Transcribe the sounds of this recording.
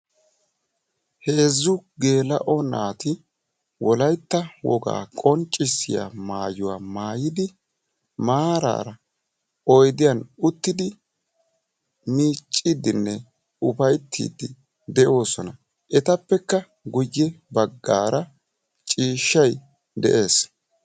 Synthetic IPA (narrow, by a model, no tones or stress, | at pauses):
he̞ːzːʊɡe̞ːlɐʔɔnaːt̪ɪ | wɔlɐjt̪ːɐwɔɡa̰ːkʼɔnt͡ʃʼːɪsːɪ̰ja̰maːjʊwaːmaːjɪd̪ɪ | maːɾa̰ːɾɐ | ɔjd̪ɪjɐnʊt̪ːɪd̪ɪ | miːt͡ʃʼːid̪ɪnːɛ | ʊpɐjt̪ʰːḭːd̪ːɪ | d̪ɛʔo̞ːsɔnɐ | ʔɛt̪ɐpːɛkːɐ | ɡʊjːɛbɐɡːa̰ːɾɐ | t͡ʃʼiːʃːɐj | d̪ɛ̰ʔe̞ːs